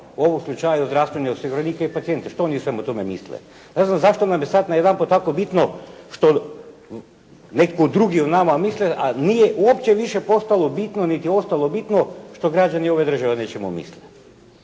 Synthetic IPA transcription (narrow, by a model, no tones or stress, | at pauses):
uo̞ʋomslˠut͡ʃajaozd̪ɾast̪ʋenaoseɡuɾoniːkaipat̪sije̞nt̪aʃt̪oonisʋemut̪o̞memḭslḛ | neznamzaʃt̪onamjesad̪najed̪ampot̪akobit̪noʃt̪o̞ | nekkoud̪ɾuɡionamamisleʔanijeʔuopt͡ɕeʋiʃepo̞st̪alˠo̞bit̪nonit̪io̞st̪alˠobit̪noʃt̪o̞ɡɾad͡ʑanio̞ʋed̪r̩ʒaʋenet͡ɕemṵmḭsle